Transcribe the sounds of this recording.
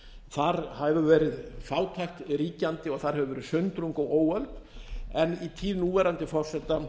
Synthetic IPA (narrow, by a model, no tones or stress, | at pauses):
θaɾhavʏvɛːɾɪðfaːwt̪ʰajxt̪ɾiːcant̪ɪɔɣθaɾ̥hɛvʏvɛːɾɪsʏnt̪ɾuŋkɔɣoːwœlpɛnit̪ʰiːðnuːvɛːɾant̪ɪfɔr̥sɛt̪a